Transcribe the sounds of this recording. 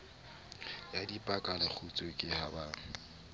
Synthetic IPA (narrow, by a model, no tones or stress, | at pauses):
jadipʼakʼanak͡xʰut͡sʼokʼɪhabaːŋ̩